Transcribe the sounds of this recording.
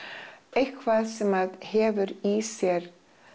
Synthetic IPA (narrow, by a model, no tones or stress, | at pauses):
ejhkʰvaðsɛmaðhɛːvʏɾisjɛɾ̥